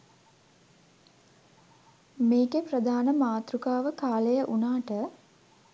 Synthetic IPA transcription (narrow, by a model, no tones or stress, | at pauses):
meːkeprəd̪ʱaːnəmaːt̪rukaːʋəkaːlejəʔunaːʈə